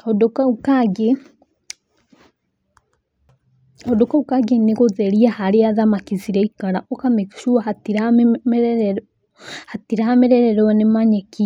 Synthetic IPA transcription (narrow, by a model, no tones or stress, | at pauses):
ɔdokaukaɡe | ɔdokaukaɡeneɣoðɛɾiahaɾeaðamakiziɾɛikaɾaʔɔkamɛkʃuahatiɾmɾ | hatiɾahamɛɾɛɾɛɾɔanemaɲɛki